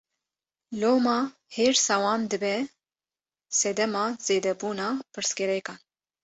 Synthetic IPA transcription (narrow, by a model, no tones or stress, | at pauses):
loːmɑː | heːɾsɑːwɑːnd̪ɨbɛ | sɛd̪ɛmɑːz̥eːd̪ɛbuːnɑːpʰɨɾskɛɾɛkɑːn